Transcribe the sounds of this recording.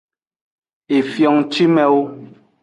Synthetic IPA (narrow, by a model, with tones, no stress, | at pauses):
e˨fjɔ˨ŋt͡ʃi˦mɛ˦wo˦